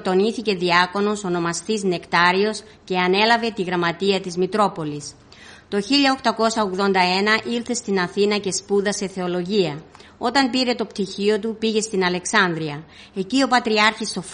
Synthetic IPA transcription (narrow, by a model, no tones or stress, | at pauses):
t̪o̞niθice̞ðiɐko̞no̞so̞no̞mɐst̪izne̞kt̪ɐɾio̞s | ce̞ɐne̞lɐve̞t̪iɣɾɐmɐt̪iɐt̪izmit̪ɾo̞po̞lis | t̪o̞çiʎɐo̞xt̪ɐko̞sɐoɣðo̞nd̪ɐe̞nɐʔilθe̞st̪inɐθinɐce̞spuðɐse̞θe̞o̞lo̞ʝiɐo̞t̪ɐmpiɾe̞t̪o̞pt̪içio̞t̪̬upiʝe̞st̪inɐle̞ksɐnðɾiɐ | e̞cio̞pɐt̪ɾiɐɾçist̪o̞f